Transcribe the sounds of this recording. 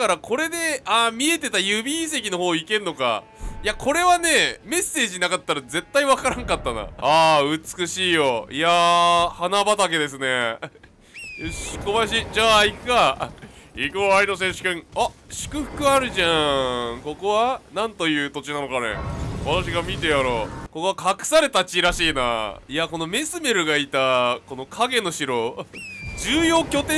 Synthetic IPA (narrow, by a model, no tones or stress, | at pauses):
kaɾakʰo̞ɾe̞d̪e̞amʲie̞t̪e̞t̪ajɯ̟bʲis̬e̞kʲino̞ɦo̞ːike̞nɯo̞ka̰ | jakʰo̞ɾe̞βane̞me̞sːe̞ːʑinakat̪ːaɾaze̞t̪ːaiβakaɾãŋkat̪ːana̰aɯ̟t͡sɨ̥kɯ̟ɕiːjo̞jahanabat̪ake̞d̪e̞s̬ɨne̞ | ɕkomaɕ̬id͡ʑaːikɯka | ikɯaino̞s̬ẽɕi̥kɯ̃ɴaɕi̥kɯ̟ɸɯ̟̥kɯ̟aɾɯ̟ʑãko̞ko̞βanãnt̪o̞jɯ̟ːt̪o̞t͡ɕinano̞kanḛβat̪aɕ̬iɡamʲit̪e̞jaɾo̞ko̞ko̞akʰakɯ̟̥saɾe̞t̪at͡ɕiɾaɕiːna̰iako̞no̞me̞sɨme̞ɾɯ̟ɡait̪ako̞no̞kʰaɡe̞no̞ɕiɾo̞ | d͡ʑɨːjo̞ːkʲo̞t̪ẽ